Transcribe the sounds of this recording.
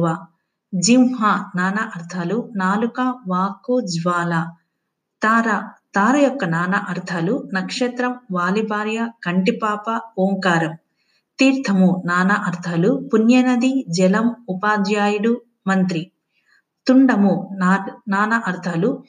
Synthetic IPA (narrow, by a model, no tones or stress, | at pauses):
ʋa | d͡ʒimɦanaːnɐʔɐɾt̪ʰalunaːlukaʋaːkud͡ʒʋaːlɐ | t̪ːɾɐt̪aːɾɐjɔkːɐnaːnɐʔɐɾt̪ʰɐlunɐkʂet̪ɾɐmʋaːlibaːɾjɐkɐɳʈipaːpɐoːŋkaːɾɐm | t̪iːɾt̪ʰɐmunaːnɐʔɐɾt̪ʰɐlupunjɐnɐd̪id͡ʒɛlɐmupaːd̪jaːjuɽu | mɐnt̪ɾi | t̪uɳɖɐmu | naːnɐʔɐɾt̪ʰɐlu